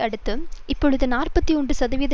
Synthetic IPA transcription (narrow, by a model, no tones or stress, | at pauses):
ɐɽɯt̪ːɯmɪpːɔɻɯðɯnaːrpɐt̪ːiɔɳɖɯsɐðɐʋiːðɐ